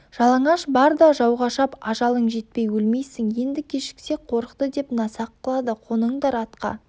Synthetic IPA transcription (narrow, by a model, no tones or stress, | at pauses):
ʒ̥ɑlˠɑɴɑʃbɑɾd̪ɑʒɑwʁɑʃɑpɑʒɑlˠəɴʒe̞t̪̚pejwɵlmejsɪŋje̞nd̪ɪkʲʰeʃɪ̥kse̞qʰo̞ɾəqt̪əd̪e̞pnɑsɑqːəlˠɑd̪əqʰonəɴd̪ɑɾɑt̪qɑ̰